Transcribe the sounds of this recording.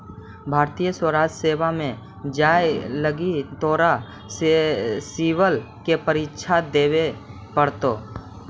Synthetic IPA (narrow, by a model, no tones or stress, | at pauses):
bʱaːɾt̪ijəswəɾaːd͡ʒseːʋamẽ | d͡ʒaːjləɡit̪ɔːɾa | siːwəl | kepəɾɪtːʃʰad̪eːwe | pəɽt̪oː